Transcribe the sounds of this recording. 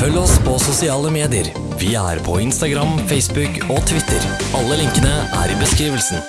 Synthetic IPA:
fœlːɔspʰɔsʊsɪɑːləmeːd̪ɪəɾ | ʋɪæ̰ɾpʰɔɪnst̪ɑɡɾɑmfɛɪsbʉk | ɔt̪ʰʋɪt̪ʰːəɾ | ɑlːəlɪŋkənəʔæ̰ɾɪbəskɾiːʋəlsn

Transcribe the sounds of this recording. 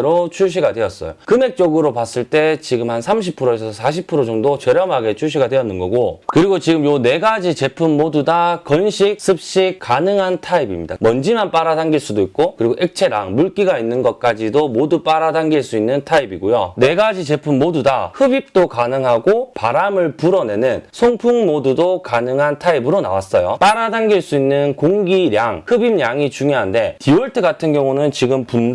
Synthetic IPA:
ɾot͡ɕʰuɕ̬ʰiɡadwe̞ʌs͈ʌ̰jokɯme̞k̚t͡ɕ͈oɡɯɾopas͈ɯɭt͈e̞t͡ɕiɡɯmhansʰamɕ̬ʰipʰɯɾoesʰʌsʰaɕ̬ʰipʰɯɾod͡ʑʌŋdot͡ɕeɾjʌmɦaɡe̞t͡ɕʰuɕ̬ʰiɡadwe̞jʌnːɯnɡʌɡokɯɾiɡot͡ɕiɡɯmjone̞ɡad͡ʑit͡ɕe̞pʰumːodudakʌnɕʰik̚sʰɯp̚ɕ͈ik͈ːanɯŋɦantʰaibimɲida̰mʌnd͡ʑimanp͈aɾadaŋɡiɭs͈udoik̚k͈okɯɾiɡoʔe̞k̚t͡ɕʰe̞ɾa̰ŋmuɭk͈iɡainːɯnɡʌt̚k͈ad͡ʑidomodup͈aɾadaŋɡiɭs͈uinːɯntʰaibiɡojone̞ɡad͡ʑit͡ɕe̞pʰumːodudahɯbip̚t͈okanɯŋɦaɡopaɾamɯɭpuɾʌne̞nɯnsʰoŋpʰuŋmodudokanɯŋɦantʰaibɯɾona̰was͈ʌjop͈aɾadaŋɡiɭs͈uinːɯnkoŋɡiɾjaŋhɯbimɲjaŋit͡ɕuŋjoɦande̞tiwʌɭtʰɯɡatʰɯnɡjʌŋunɯnt͡ɕiɡɯmpun

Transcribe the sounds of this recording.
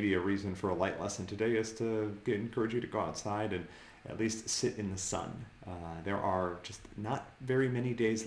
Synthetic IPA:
biɨɹizɨ̃nfə˞əlaɪʔˡlɛsɨ̃ntʰɨdeɪɨz̥tʰɨɡɛɾɨ̃n̩kʰɜ˞ɨd͡ʒjɨɾɨɡoʊaʊtsaɪɾɨ̃n | ɨ̰tˡlistsɪɾɨ̃nðɨsʌ̰̃n | ðə˞ʔəd͡ʒʌstnət̚vɛɹimɛñideɪz

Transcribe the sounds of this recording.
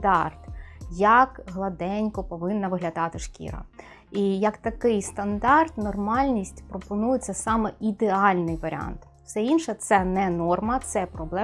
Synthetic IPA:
d̪ɑ̰rt̪jɐkɦlˠɐd̪ɛnʲkɔpɔʋɪnːɐʋɪɦlʲɐd̪ɑt̪ɪʃkʲḭɾɐ̰ | ijɐkt̪ɐkɪjst̪ɐnd̪ɑrt̪nɔrmɑlʲnʲisʲtʲpɾɔpɔnujɪt͡sʲːɐsɑmɛid̪eɑlʲnɪjʋɐɾ̰ʲɑ̰nt̪ | wsɛinʃɛt̪sɛnɛnɔrmɐt̪sɛpɾɔblˠɛ

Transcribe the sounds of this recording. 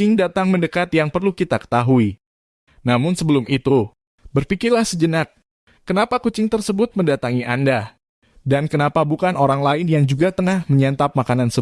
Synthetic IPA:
ɪŋdat̪aŋməndəkat̪jaŋpərlukit̪akə̥t̪aɦui | namʊnsəbəlʊmit̪u | bərpikɪrlahsəd͡ʒənak̚ː | ənapakut͡ʃɪŋt̪ərsəbʊt̪̚məndat̪aŋiʔanda | dankənapabukanʔoɾaŋlaɪnjaŋd͡ʒuɡat̪əŋahməɲant̪ap̚makanansə

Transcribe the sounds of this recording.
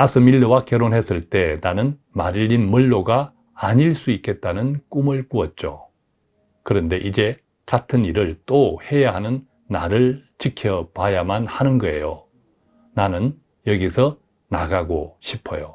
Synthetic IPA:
asʰɯmiɭːɯwakjʌɾonɦes͈ɯɭt͈e̞nanɯn | maɾiʎːinmɯɭːoɡaː | ɲiɭs͈uik͈e̞t̚t͈anɯnk͈umɯɭkuʌt̚t͡ɕ͈o̰ | kɯɾʌnde̞ʔid͡ʑe̞ | katʰɯniɾɯɭt͈ohe̞jaɦanɯnː | a̰ɾɯɭt͡ɕikʰjʌpajamanhanɯnɡʌe̞̰jo | nanɯn | jʌɡisʰʌ | naɡaɡoɕʰipʰʌ̰jo

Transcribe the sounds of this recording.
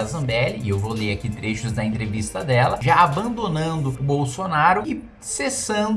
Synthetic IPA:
azɐ̃mbɛlɪɪewvoleɾakit̪ɾeʃʊzd̪ɐẽnt̪ɾevist̪ɐd̪ɛlɐʒaabɐ̃nd̪onɐ̃nd̪ʊʊbowsonaɾʊɪ | sesɐ̃d̪

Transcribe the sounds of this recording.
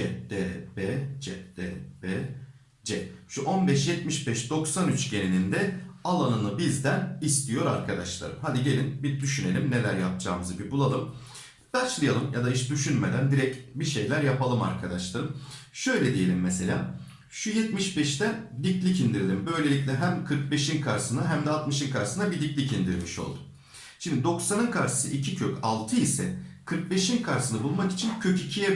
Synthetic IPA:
ɛd̪̥ɛbɛd͡ʒɛd̪̥ɛbe | d͡ʒɛʃuʔo̞nbɛʃjɛt̪̚miʃbɛʃd̪o̞ksanyt͡ʃɟe̞nenind̪ɛalˠanɯnɯbizd̪ænist̪ʰijo̞ɾaɾkʰad̪aʃlˠa̰ɾɯ̰mɦad̪iɟe̞lʲinbiɾd̪yʃyne̞lʲimne̞lʲæɾjap̚d͡ʒʰa̰ːmɯzɯbibulˠalˠɯm | b̥æɾt͡ʃlˠɯjalˠɯmjad̪aiʃd̪yʃynmed̪ænd̪iɾɛcbiʃe̞jlʲæɾjapʰalˠɯma̰ɾkʰad̪aʃlˠaɾɯmʃø̞jlʲɛd̪ije̞lʲimːese̞lʲaː | ʃujɛt̪miʃbɛʃt̪ɛnd̪iclʲicind̪iɾilʲimbø̞jlʲe̞lʲic̬ʲlʲɛɦæmkʰɯɾk̚be̞ʃinkʰaɾsɯnaɦæmd̪ɛat̪mɯʃɯnkʰaɾsɯnabid̪iclʲicind̪iɾlʲmiʃo̞̰lˠd̪ʊ̥ | ʃimd̪id̪o̞ksanɯnkʰaɾɯ̥sɯ̰ʔicʰicʰøcʰalˠt̪ʰɯisɛ̰kʰɯɾk̚be̞ʃinkʰaɾsɯnɯbulˠmaki̥t͡ʃʰincʰø̞cicʰijɛ

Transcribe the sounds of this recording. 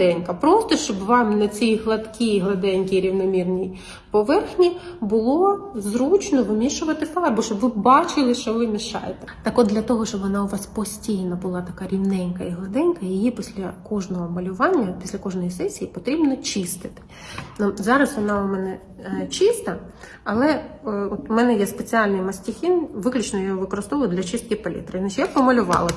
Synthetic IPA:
ɛnʲkɐpɾɔst̪ɔʃt͡ʃɔbʋɑmnɐt͡sʲijɦlˠɐt̪kʰʲiiɦlˠɐd̪ɛnʲkʲiɾʲiwnɔmʲirnʲij | pɔʋɛrxnʲibʊlˠɔzɾut͡ʃnɔʋɪmʲiʃʊʋɐt̪ɪfɑrbʊʃt͡ʃɔbʋɪbɑt͡ʃɪlˠɪʃt͡ʃɔʋɪmʲiʃɑ̰jet̪ɛt̪ɑkɔd̪d̪lʲɐt̪ɔɦɔʃt͡ʃɔbʋɔnɑʊʋɑspɔsʲtʲijnɐbʊlˠɑt̪ɐkɑɾʲiwnɛnʲkɐiɦlˠɐd̪ɛnʲkɐjijipʲisʲlʲɐkɔʒnɔɦɔmɐlʲʊʋɑnʲːɐpʲi̥sʲlʲɐkɔʒnɔjisɛsʲijipɔt̪ɾʲibnɔt͡ʃist̪ɪ̥t̪ɪ̥ | nuzɑɾɐsʋɔnɑʊmɛnɛ | t͡ʃist̪ɐ | ɐlˠɛɔt̪ʊmɛnɛjɛspet͡sʲiɑlʲnɪjmɐsʲtʲixʲinʋɪklʲʊt͡ʃnɔjɔɔʋɪkɔɾɪst̪ɔʋlˠd̪lʲɐt͡ʃɪst̪̚kʲipɐlʲḭt̪ɾɪnat͡ʃjapɔmɐlʲʊʋɑ̰lˠɐ

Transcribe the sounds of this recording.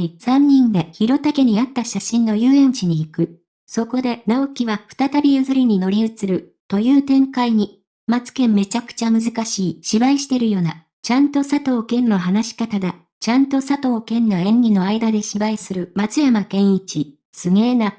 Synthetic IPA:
sãɲ̟ːĩnd̪e̞çiɾo̞t̪ake̞ɲ̟iat̪ːaɕaɕĩnːo̞jɯːẽ̞ɲ̟t͡ɕiɲ̟iːkɯ̟ | so̞ko̞d̪e̞nao̞kʲiβaɸɯ̟̥t̪at̪abʲijazɨɾʲiɲ̟ino̞ɾʲiɯ̟t͡sɨɾɯ̟ | t̪o̞jɯ̟ːt̪ẽ̞ŋkaiɲ̟i | mat͡sɨ̥kẽ̞mme̞t͡ɕakɯ̥t͡ɕamɯ̟zɨkaɕiːɕibaiɕi̥t̪e̞ɾɯ̟jo̞ːna | t͡ɕãnt̪o̞sat̪o̞ːkẽ̞nːo̞ɦanaɕi̥kat̪ad̪a | t͡ɕãnt̪o̞sat̪o̞ːkẽ̞nːoẽ̞ŋɡʲino̞aid̪ad̪e̞ɕibaisɨɾɯ̟mat͡sɨjamakẽ̞ɰ̃it͡ɕi | sɨŋe̞ːna

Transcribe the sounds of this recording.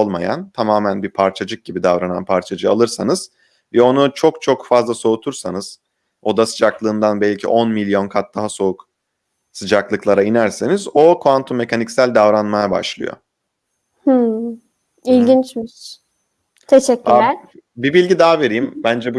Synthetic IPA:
olˠma̰ja̰nt̪ʰamaːmænbipʰaɾt͡ʃʰad͡ʒɯk̚ɟibid̪avɾana̰npʰaɾt͡ʃʰad͡ʒɯa̰lˠɯɾsanɯz̥ | vɛo̞nut͡ʃʰo̞kt͡ʃʰo̞kfazlˠaso̞ut̪ʰuɾsanɯz̥ | o̞d̪asɯd͡ʒaklˠɯːnd̪anbɛlʲcʰḭʔo̞nmilʲjo̞nkʰat̪̚d̪aɦaso̞uk | sɯd͡ʒaklˠɯklˠaɾainæɾsenizo̞kʰant̪ʰumːe̞cʰanicsælʲd̪avɾanmajaba̰ʃlˠɯ̰jo̰ | h̩ | ilʲɟint͡ʃmiʃ | t̪ʰeʃɛcʲːylʲæɾbibilʲɟid̪aɦaveɾijimbænd͡ʒɛbu

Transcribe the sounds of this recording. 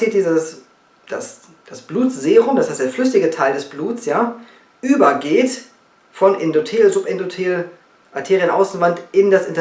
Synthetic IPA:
iːt̚d̥iːzəs | d̥as | d̥asb̥luːtz̥eːʁʊmdashaɪtd̥eːɐflʏs̬ɪɡətʰaɪldɛsb̥luːtt͡sjaː | ʔyːbɐɡeːt | fɔnʔɪndotʰeːlzʊpʔɪndotʰeːl | ʔatʰeːʁiənʔa̰ʊsn̩vantɪndasʔɪntɐ

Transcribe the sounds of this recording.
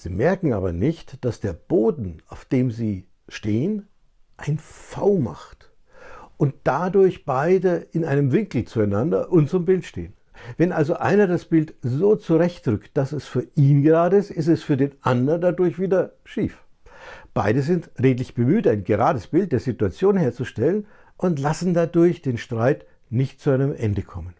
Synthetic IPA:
z̥ḭːmɛɐkŋ̩a̰ːbɐ̰nɪçtd̥asd̥eːɐb̥oːdn̩aʊfd̥eːmziː | ʃteːən | ʔaɪnfaʊma̰χt | ʔʊnt̚d̥adʊɐçb̥aɪdəɪnaɪnəmvɪŋkl̩t͡suaɪnandɐ̰ʔʊntt͡sʊmbɪltʃtḛːən | vɛnʔalzoʔa̰ɪnɐdasb̥ɪltzoːt͡suʁɛçtʁʏkt̚d̥asɛsfyːɐʔiːnɡəʁaːdəɪstɪstɛsfyːɐdeːnʔandɐndadʊɐçv̥iːdɐʃiːf | b̥aɪdəzɪntʁeːtlɪçb̥əmyːtaɪnɡəʁaːdəsb̥ɪlt̚d̥eːɐzituat͡sjoːnheːɐt͡suʃtɛlən | ʔʊntlasn̩dadʊɐçd̥eːnʃtʁ̥aɪt | nɪçtt͡suaɪnəmʔɛ̰ndəkʰɔmən

